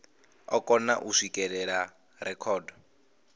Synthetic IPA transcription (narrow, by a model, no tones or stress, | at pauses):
ɔkʼɔna̰ʔuʂikʼɛɺɛɺa | rɛkʰɔːdɔ